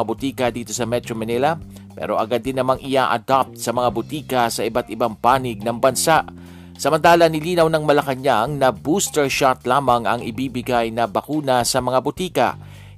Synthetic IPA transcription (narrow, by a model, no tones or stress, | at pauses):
abʊt̪iːkɐd̪iːt̪o̞sɐmɛt̪ɾomɐnɪlɐ | pɛ̰ɾo̞ʔɐɡad̪ːɪnːɐmaŋʔɪjaʔɐ̰d̪ap̚t̪̚sɐmɐŋabʊt̪iːkɐsɐʔɪbat̪ɪbaŋpaːnɪɡ̚nɐŋbɐnsaʔ | sɐmɐnt̪aːlɐnɪliːnɐwnɐŋmɐlɐkɐɲaŋnɐbuːst̪ɛɹʃat̪̚laːmɐŋʔɐŋɪbiːbɪɡajnɐbɐkuːnɐsɐmɐŋabʊt̪iːkɐ̰